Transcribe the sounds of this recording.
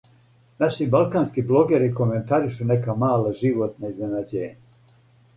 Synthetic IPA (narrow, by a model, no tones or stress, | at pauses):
naʃibalˠkaːnskiblo̞ɡeɾiko̞me̞nt̪aɾiʃune̞kamaːlaʒiʋot̪naizne̞nad͡ʑeːɲa